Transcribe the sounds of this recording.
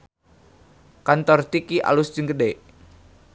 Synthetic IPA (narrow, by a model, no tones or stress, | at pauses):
kant̪ɔrt̪ikiʔa̰lusd͡ʒiŋɡədeʔ